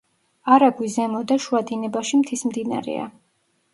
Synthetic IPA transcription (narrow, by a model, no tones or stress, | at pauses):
aɾaɡwizɛmɔd̪aʃuad̪inɛbaʃimt̪ʰismd̪ina̰ɾɛ̰a̰